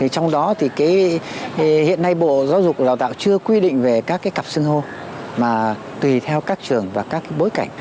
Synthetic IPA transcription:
t̪ʰi˨˩t͡ɕɔ˧wŋ͡mɗɔ˨˦t̪ʰi˨˩kaː˨˦j | hḭ˧˨əna˧jɓo̰˧˨zaː˨˦wzʊ˨˩k͡p̚kːɗaː˧˩wt̪a̰ː˧˨wt͡ɕɨ˧əkwi˧ɗḭ̈˧˨ŋ̟ve˨˩kaː˦˥kːaː˨˦jka˨˩p̚sɨ˧əŋɦo˧ | maː˨˩ | t̪wi˨˩t̪ʰɛ˧wkaː˦˥k̚t͡ɕɨ˨˩əŋvaː˨˩kaː˦˥kːaː˨˦jɓo˨˦jka˧˩jŋ̟

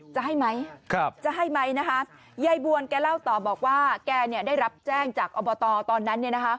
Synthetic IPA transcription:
t͡ɕa˨˩ɦa˥˩jma˦˥jk̚ʰt͡ɕa˨˩ɦa˥˩jma˦˥jna˦˥kʰa˦˥ | ja˧jbu˧ənkɛː˧la˥˩wt̪ɔː˨˩bɔː˨˩k̚waː˥˩kɛː˧ni˥˩ədaː˥˩jɾa˦˥p̚t͡ɕɛː˥˩ŋt͡ɕaː˨˩k̚ʔɔː˧bɔː˧t̪ɔː˧t̪ɔː˧nːa˦˥nːi˥˩əna˦˥kʰa˦˥ʔ

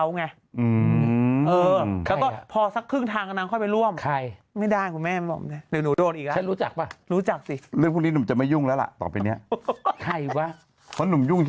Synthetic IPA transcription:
wŋa˧ | ʔɯː˧ʔɤː˧lɛː˦˥˧kɔ˥˧pʰɔː˧sa˦˥kʰːɯː˥˩ŋt̪ʰaː˧ŋka˧naː˧˦˥kʰɔ˥˩pa˧jɾu˥˩əmkʰa˦˥˩jma˥˩jdaː˥˩jkʰu˧nmɛː˥˩m˧˥˩bɔ̰˨˩na˧˥˩diː˨˦nu˨˩˦doː˧nʔiː˨˩la˦a˦˥nɾuː˦˥t͡ɕa˨˩k̚pa˧˩ɾuː˦˥t͡ɕa˨˩k̚si˨˩lɯ˥˩˨ŋʰpʰːni˦˥nu˨˩˦t͡ɕa˨˩ma˥˩ju˥˩ŋlɛː˦˥wla̰˨˩ʔt̪ɔ̰ː˨˩pa˧ni˦˥ɐkʰa˥˩jwaː˥˩ | pʰɔ˦˥nu˨˩˦mju˥˩ŋʰ

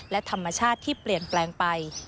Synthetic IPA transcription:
lɛ˦˥t̪ʰa˧mːa˧t͡ɕʰaː˥˩t̪ʰːiː˥˩pli˨˩ənplɛː˧ŋpa˧j

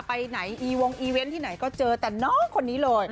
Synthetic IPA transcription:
pa˧jna˩˦jʔiː˧wo˧ŋʔiː˧we˦˥nt̪ʰiː˥˩na˩˦jkɔː˥˩t͡ɕɤː˧t̪ɛː˨˩nɔː˦˥˩ŋkʰo˧nːiː˦˥lɤː˧j

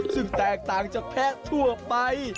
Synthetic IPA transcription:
sɨ˧ŋt̪aɛk̚t̪aː˧ŋt͡ɕɔ˩p̪ʰɛ˧ʔt̪ʰu˧əɓaj

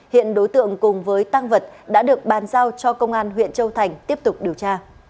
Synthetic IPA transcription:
hḭ˧˨ənɗo˨˦jt̪ɨ̰˧˨əŋkʊ˨˩ŋ͡mvəː˨˦jt̪aː˧ŋvə˨˩t̚ɗa̰ː˧˥ɗɨ˨˩ək̚ɓaː˨˩nzaː˧wt͡ɕɔ˧kə˧wŋ͡mʔaː˧nɦwḭ˧˨ənt͡ɕə˧wt̪ʰa˨˩jŋ̟t̪i˦˥əp̚t̪ʊ˨˩k͡p̚ɗi˨˩əwt͡ɕaː˧

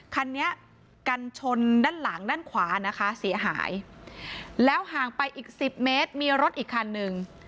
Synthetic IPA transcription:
kʰa˧nːi˦˥ɐ | ka˧nt͡ɕʰo˧ndaː˥˩nla˩˦ŋdaː˥˩nkʰwaː˩˦na˦˥kʰa˦˥si˩˦ɐɦa̰ː˩˦j | lɛː˦˥wɦaː˨˩ŋpa˧jʔiː˨˩k̚si˨˩p̚meː˦˥t̪̚miː˧ɾo˦˥t̪̚ʔiː˨˩kʰːa˧nːɯ˧ŋ

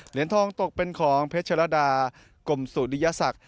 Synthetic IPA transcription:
li˩˦ənt̪ʰɔː˧ŋt̪o˨˩k̚pe˧nkʰɔː˩˦ŋpʰe˦˥t̚t͡ɕʰa˧la˦˥daː˧ | ko˨˩msuː˨˩ndi˧jaː˧˥sa˨˩k̚

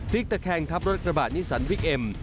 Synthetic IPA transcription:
t̪ʰi˦˥k̚t̪a˧kʰɛː˧ŋt̪ʰa˦˥p̚ɾo˦˥t̪̚kɾa˧baː˨˩t̪̚niː˦˥sa˩˦nwi˦˥k̚ʔe˧m

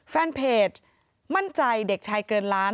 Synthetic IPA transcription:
fɛː˧npʰeː˨˩t̪̚ | ma˥˩nt͡ɕa˧jde˨˩k̚t̪ʰa˧jkɤː˧nɾaː˦˥

